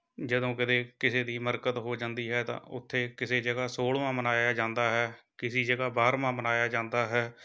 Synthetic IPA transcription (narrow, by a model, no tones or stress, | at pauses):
d͡ʒəd̪õːkɪt̪eːkɪseːd̪iːməɾkət̪ɦoːd͡ʒãːnd̪iːɦɛːt̪ã̰ːʊ̰t̪ʰːeːkɪseːd͡ʒeːɡaːsoːɽʋãːmənaːjaːd͡ʒãːnd̪aːɦɛːkɪsiːd͡ʒeːɡaːbaːɾmãːmənaːjaːd͡ʒãːnd̪aːɦɛː